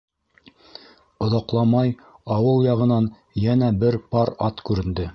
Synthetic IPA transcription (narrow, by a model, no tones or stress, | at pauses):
ŏðɑqlˠɑmɑjɑwɤlˠjɑʁɤ̆nɑn | jænæbɘɾpɑɾɑt̪kʉɾɘ̆nd̪ɘ